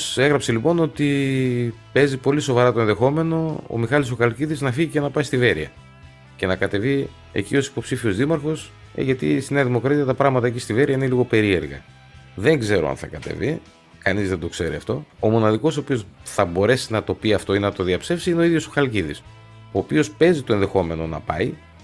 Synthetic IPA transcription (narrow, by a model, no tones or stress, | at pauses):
se̞ɣɾɐpse̞lipo̞no̞t̪i | pe̞zipo̞liso̞vɐɾɐt̪o̞enðe̞xo̞me̞no̞o̰mixɐlis̬uxɐlciðiznɐfiʝicenɐpɐist̪ive̞ɾiɐ̰ | ce̞nɐkɐt̪e̞vi | e̞̰cio̞si̥po̞psifio̞zðimɐɾxo̞s | ḛʝɐt̪ḭsineɐðimo̞kɾɐt̪iɐt̪ɐpɾɐɣmɐt̪ɐecist̪ive̞ɾiɐineliɣo̞pe̞ɾie̞̰ɾɣɐ̰ | ðe̞ŋɡze̞ɾoɐ̰nθɐ̰kɐt̪e̞̰vi | kɐnizðend̪o̞kse̞ɾiɐft̪o̞omo̞nɐðiko̞sopio̞sθɐbo̞ɾe̞sinɐt̪o̞piɐft̪o̞inenɐt̪o̞ðiɐpse̞fsiineo̞iðʝo̞soxɐlciðḭs | oːpio̞spe̞zit̪oenðe̞xo̞me̞no̞nɐ̰pɐ̰i